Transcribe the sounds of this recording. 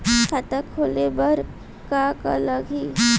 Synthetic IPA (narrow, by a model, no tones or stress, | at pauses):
kʰat̪əkʰolebəɾ | kaka̰ləɡʱi